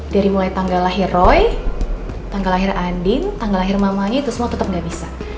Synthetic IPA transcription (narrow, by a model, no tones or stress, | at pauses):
d̥aɾimulajt̪aŋɡalaɦɪrɔj | t̪aŋɡalaɦɪrandɪnt̪aŋɡalaɦɪrmamaŋit̪ʊsmuat̪ət̪əp̚ŋɡaʔbisa